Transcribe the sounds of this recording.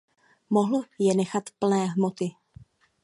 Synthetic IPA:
moɦl̩jɛnɛxat̪pl̩nɛːɦmot̪ɪ

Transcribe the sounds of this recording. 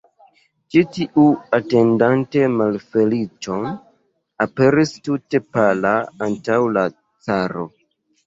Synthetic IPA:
t͡ʃitiʔuate̞ndante̞malfe̞lit͡ʃon | ape̞ɾistute̞palaantawla | t͡saɾo̞̰

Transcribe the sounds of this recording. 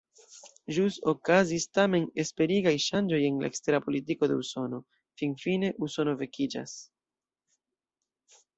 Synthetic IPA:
ʒuso̞kazistame̞ne̞spe̞ɾiɡajʃand͡ʒo̞je̞nla̰ekste̞ɾapo̞litiko̞de̞̰uso̞no̞ | finfine̞ʔuso̞no̞ve̞kid͡ʒa̰s

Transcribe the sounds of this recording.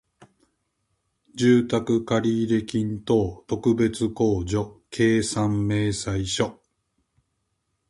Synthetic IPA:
d͡ʑɨːt̪akɯ̟kaɾʲiːɾe̞kʲĩnt̪o̞ːt̪o̞kɯ̟be̞t͡sɨko̞ːʑo̞kʰe̞ːsãmːe̞ːsaiɕo̞

